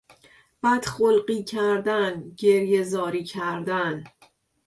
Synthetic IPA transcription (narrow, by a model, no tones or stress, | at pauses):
b̥æd̪̥xolɢiːcʰæɾd̪ænɟeɾjezɒːɾiːcʰæɾd̪æn